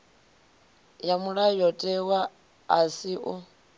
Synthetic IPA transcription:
jamuɺajɔtʼɛwaː | siʔu

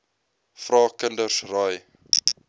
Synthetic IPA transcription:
frɑːkəndərsrɐj

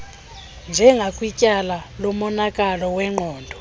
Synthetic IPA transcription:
nd͡ʒʱɛŋɡʱakʼwicʼalalɔmɔnakʼalɔwɛŋ͡ǃʱɔːndʱɔ

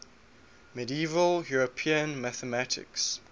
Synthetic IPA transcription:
mɛdiiːvəljuɹəpʰiə̃nmaθəmatʰɪ̰ks

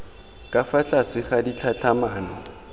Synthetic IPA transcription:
kʼafat͡ɬʼasɪχadit͡ɬʰat͡ɬʰamaːnɔ

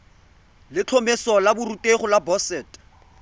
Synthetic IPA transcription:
lɪt͡ɬʰɔmesɔlabʊrutʼeχʊlabɔsɛːtʼ

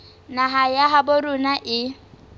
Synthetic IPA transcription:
naɦajaɦaboɾʊnaʔɪ

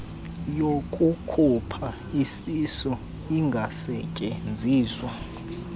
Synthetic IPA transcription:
jokʼukʰupʰa | isisɔ | iŋɡʱasɛcʼɛnd͡zʱiːzwa

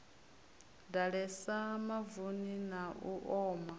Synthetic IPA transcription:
daɺɛsamavuninauʔɔːma

